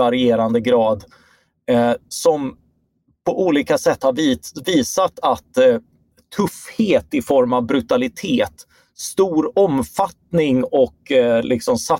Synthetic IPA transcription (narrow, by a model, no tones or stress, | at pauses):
aɾɪeːɾand̪əɡɾɑːd̪ | sɔm | pʰɔʔuːliːkasɛt̪ːhaɾvviːsat̪at̪ʰː | ɵfheːt̪ɪfɔɾmavbɾɵt̪alɪt̪ʰeːt̪ | st̪uːɾɔmfat̪nɪŋɔklʔɪksɔmsa